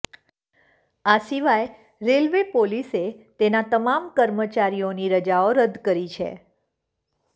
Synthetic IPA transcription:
asiʋaj | ɾelʋepoliset̪enat̪əmamkəɾmət͡ʃaɾijoniɾəd͡ʒaoɾəd̪kəɾit͡ʃʰḛ

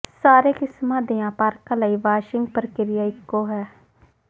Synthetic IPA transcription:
saːɾeːkɪsmãːd̪eãːpaːɾkalaːiːʋaːʃɪŋɡ̚pəɾəkɪɾɪjaːɪkːoːɦɛː

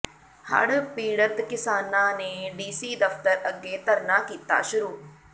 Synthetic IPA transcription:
hə̰ɽpiːɽət̪kɪsaːnãːneːɖiːsiːd̪əft̪əɾəɡːeːt̪əɾnaːkiːt̪a̰ːʃʊɾuː

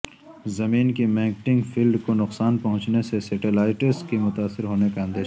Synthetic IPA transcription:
zɐmiːnkimẽːŋkʈɪ̃ŋɡfʰilɖkonʊqsaːnpɐɦʊ̃t͡ʃnesesɛʈelaːɪʈəɾskimʊt̪aːsːɪɾɦoːnekaɐ̃nd̪eːʃ

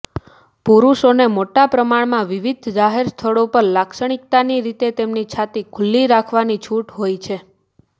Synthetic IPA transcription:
puɾuʃonemoʈapɾəmaɽmãʋiʋid̪ʱd͡ʒaɦeɾst̪ʰəɭopəɾlakʃəɽ̃ik̚t̪aniɾit̪et̪emnit͡ʃʰat̪ikʰʊlːiɾakʰʋanit͡ʃʰuʈɦojt͡ʃʰe

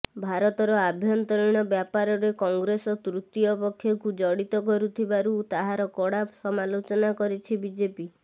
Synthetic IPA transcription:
bʱaɾɔt̪ɔɾɔabʱjɔnt̪ɔɭiɽ̃ɔbjapaɾɔɾekɔŋɡɾesɔt̪ɾut̪ijɔpɔkʰːjɔkud͡ʒɔɽit̪ɔkɔɾut̪ʰibaɾut̪aɦaɾɔkɔɽapsɔmalot͡ʃɔnakɔɾit͡ʃʰibid͡ʒepi

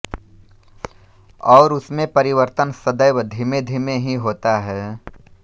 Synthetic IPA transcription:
ɔːɾʊsmẽpɐɾɪʋəɾt̪ənsəd̪əjwd̪ʱɪmed̪ʱɪmẽɦiɦoːt̪aɦɛː

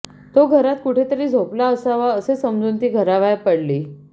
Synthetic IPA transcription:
t̪oɡʱəɾat̪kuʈʰet̪əɾiːd͡zʱoplaəsaʋaəsesəmd͡zuːnt̪iːɡʱəɾaʋajpəɽliː

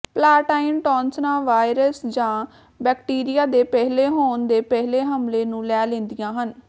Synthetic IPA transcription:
plaːʈaːɪnʈɔːnsnãːʋaːɪɾəsd͡ʒãː | bɛːkʈiːɾɪjaːd̪eːpɛɦleːɦoːnd̪eːpɛɦleːɦəmleːnũːlɛːlẽːnd̪ɪjãːɦən

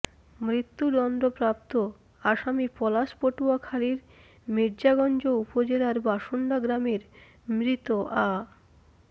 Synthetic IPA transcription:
mɾit̪ːud̪ɔnd̪ɾopɾap̚t̪o | aʃamipɔlaʃpoʈuakʰaliɾ | miɾd͡ʑaɡɔnd͡ʑoupod͡ʑelaɾbaʃoɳɖaɡɾameɾ | mɾit̪oʔa

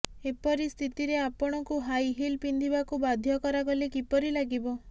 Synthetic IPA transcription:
epɔɾist̪ʰit̪iɾeapɔɽ̃ɔkuɦajɦilpind̪ʱibakubad̪ʱjɔkɔɾaɡɔlekipɔɾilaɡibɔ

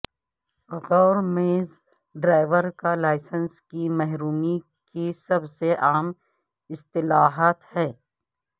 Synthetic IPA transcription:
ɣɔːɾmeːz | ɖɾaːɪʋəɾkalaːɪsənskimɛɦɾuːmi | kisɐbseʔaːm | ɪst̪ɪlaːɦaːt̪hɛː

